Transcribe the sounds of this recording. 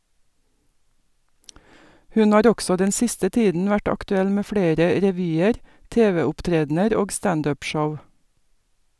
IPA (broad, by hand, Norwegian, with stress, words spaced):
ˈhʉn ˈhɑːɾ ˈɔɡsɔ ˈdɛn ˈsɪstə ˈtiːdn̩ ˈʋæʈ ɑktʉˈɛl ˈmeː ˈfɽeːɾə ɾɛˈʋyːəɾ ˈteːʋɛʊpˌtɾeːdnəɾ ˈoːɡ ˈstɑnd ˈøːp ˈʃɔʋ